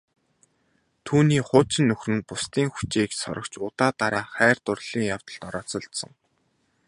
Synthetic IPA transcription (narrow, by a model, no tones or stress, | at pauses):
t̪ʰuːniːχʊːt͡ɕɪ̆nːɵxrɘ̆npʊst̪iːŋxu̥t͡ɕeːksɔ̰ɾə̆kt͡ɕʊt̪aːt̪aɾaːχæːr̥t̪ʊrɮ̥iːŋjaw̥t̪ə̆ɮt̪ɔɾɔːt͡sɞ̆ɬt̪sə̆ŋ